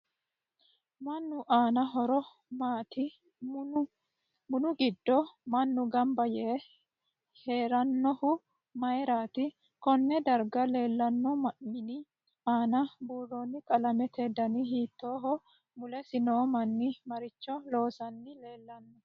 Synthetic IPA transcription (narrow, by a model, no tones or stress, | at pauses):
mɐnːʊʔaːnɐɦɔɾɔ | maːt̪ɪ | m | mʊnʊɡɪd̪ːɔmɐnːʊɡɐmbɐjɛ | he̞ːɾɐnːɔhʊ | mɐjɾaːt̪ɪ | kɔnːɛd̪ɐɾɡɐle̞ːlːɐnːɔmɪnɪ | aːnɐbuːrːoːnːɪkʼɐlɐmɛt̪ʰed̪ɐnɪhiːt̪ːoːɦɔ | mʊlɛsɪnoːmɐnːɪmɐɾɪt͡ʃːɔlo̞ːsɐnːɪle̞ːlːɐnːɔ